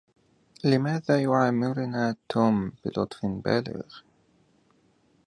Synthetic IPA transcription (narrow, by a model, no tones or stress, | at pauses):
lɪmaːðaːjʊʕaːmːɪɾʊnaːt̪ʰːuːmb̥ɪ̰lʔʊ̰t̪ˤfba̰ːlɪ̰ɣ